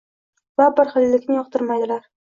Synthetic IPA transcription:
vabɪɾχɪlːɪkʲnɪjɒqt̪ʰɪɾmajd̪ɪlaɾ

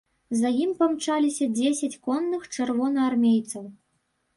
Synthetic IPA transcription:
zajimpɐmt͡ʂalʲisʲɐd͡zʲesʲat͡sʲkɔnːɨxt͡ʂɨrvɔnɐarmʲejt̪sɐw

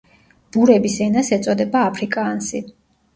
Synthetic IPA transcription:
b̥uɾɛbisɛnasɛt̪sʼɔd̪ɛbaːpʰɾikʼaːnsi

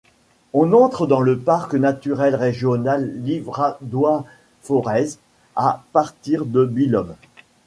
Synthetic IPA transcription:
ɔ̃nɑ̃t̪χəd̪ɑ̃ləpaʁknat̪yʁɛlʁeʒjɔnalːivʁad̪wa | fɔʁɛz | apaʁt̪iʁd̪əbilɔm

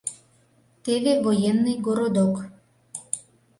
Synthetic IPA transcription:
t̪eβevojenːɨjɡoɾod̪ok

